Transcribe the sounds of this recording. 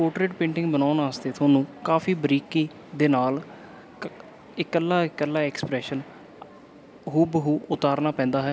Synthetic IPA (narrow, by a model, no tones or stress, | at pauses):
koːʈɾeːʈpẽːɳʈɪ̃ŋɡbənaːnaːst̪eːt̪ʰoːnũːkaːfʰiːbəɾiːkiː | d̪eːnaːl | ɪkəlːaːɪkəlːaːɛːksəpɾɛːʃən | ɦuːbəɦuːʊt̪aːɾnaːpɛ̃ːnd̪aːɦɛː